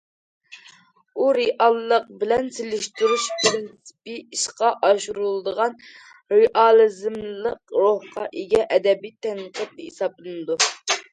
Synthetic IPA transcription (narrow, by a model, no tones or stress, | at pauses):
uɾeʔɑlˠːəq̚bɪlɛnselɪʃt̪yɾuʃpɾɪnsɪ̥pɨiʃqɑʔɑʃuɾulˠd̪əʁɑn | ɾeʔɑlˠɨzɨmlˠəqɾohqɑʔiɡʲɛʔɛd̪ɛbijt̪ʰɛŋqət̪̚nɨesɑplˠɨnɨd̪u